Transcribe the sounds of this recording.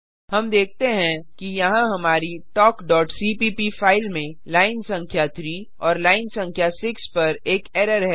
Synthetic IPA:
hɐmd̪eːk̚ʰt̪eɦɛ̃kijɐɦãɦɐmaːɾiʈɔːkɖɔːʈsiːpipifaːɪlmẽ | laːɪnsɐ̃ŋkʰjat̪ʰɾiː | ɔːɾlaːɪnsɐ̃ŋkʰjasɪkspɐɾeːkeːɾəɾɦɛ

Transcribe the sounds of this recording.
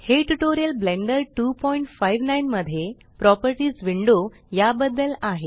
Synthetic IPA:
heʈuʈoɾijəlblẽɳɖəɾʈupɔiɳʈfajʋnajnməd̪ʱje | pɾɔpəɾʈiːd͡zʋiɳɖo | jabəd̪ːəlaɦe

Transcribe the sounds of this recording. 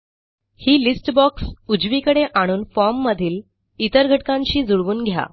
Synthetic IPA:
hiːlisʈbɔksud͡ʑʋikəɽeʔaɽ̃uːnfɔɾmːəd̪ʱiːl | it̪əɾɡʱəʈkãɲt͡ɕiːd͡zuɽʋuːnɡʱja̰

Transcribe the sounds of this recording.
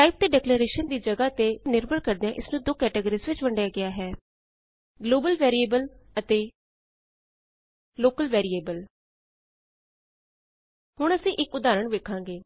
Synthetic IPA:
ʈaːɪp̚t̪eːɖɛːkleɾeːʃənd̪iːd͡ʒəɡaːt̪eːnɪɾbəɽkəɾd̪eãʔɪsnũːd̪oːkɛːʈeːɡəɾiːsʋɪt͡ʃʋəɳɖjaːɡɪaːɦɛː | ɡloːbəlʋɛːɾieːbələt̪eː | loːkəlʋɛːɾiːeːbəl | hʊɳ̃əsĩːʔɪkʊd̪aːɾəɳʋeːkʰãːŋɡeː

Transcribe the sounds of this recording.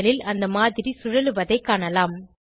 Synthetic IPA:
lɪlɐnd̪ɐmaːðɪɾisʊɻɐlɯʋɐðɐɪkːaːɳɐlaːm

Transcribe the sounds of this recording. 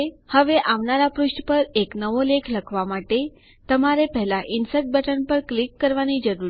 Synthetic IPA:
həʋeʔaʋnaɾapɾʊʃʈpəɾeknəʋolekʰləkʰʋamaʈe | t̪əmaɾepəɦlaʔɪnsət̪̚bʱəʈənpəɾklikːəɾʋanid͡ʒəɾuɾ

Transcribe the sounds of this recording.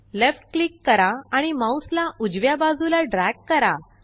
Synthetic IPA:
lefʈ̚klikːəɾaaɽ̃imauslaʔud͡ʑʋjabad͡zulaɖɾækːəɾa

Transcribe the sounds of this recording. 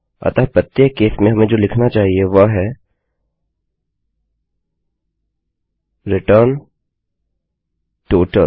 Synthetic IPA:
ɐ̰t̪apɐt̪jekːeːsmẽɦɐmẽd͡ʒoːlɪkʰnat͡ʃaːɦieʋɐɦɛ | ɾɪʈəɾn | ʈoːʈə

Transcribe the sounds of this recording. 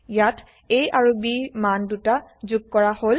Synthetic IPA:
jatʰ | ejaɹubimandutazuɡ̚kɔɹahol

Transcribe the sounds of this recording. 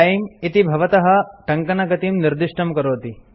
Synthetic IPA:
jimit̪ibʱɐʋɐt̪ɐɦɐ̆ʈɐŋkɐnɐɡɐt̪imniɾd̪iʂʈɐmkɐɾoːt̪i

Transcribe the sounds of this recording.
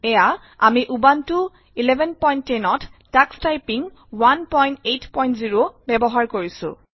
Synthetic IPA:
ɛja | amiʔubantʊ | ilɛbʱɛnpɔjntːenɔtː | akstajpiŋ | wanpɔjntejtpɔjntziɹobɛbɔɦaɹkoɹisʊ̰̃

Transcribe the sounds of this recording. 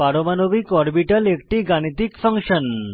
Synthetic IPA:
aɾomanobikɔɾbiʈəlek̚ʈiːɡañit̪ikfəŋkʂən

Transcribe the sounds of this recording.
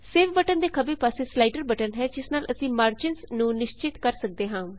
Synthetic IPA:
seːʋbəʈənd̪eːkʰəbəːpaːseːslaːɪʈəɾbəʈənɦɛːd͡ʒɪsnaːlʔəsĩːmaːɾd͡ʒɪnsnũːnɪʃt͡ʃɪt̪kəɾsək̚d̪eːɦãː

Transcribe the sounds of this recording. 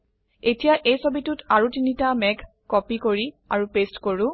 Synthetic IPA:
etijaʔejsobitutaɹutinitamɛɡ | kːɔpikoɹi | a̰ɹupestkoɹũ

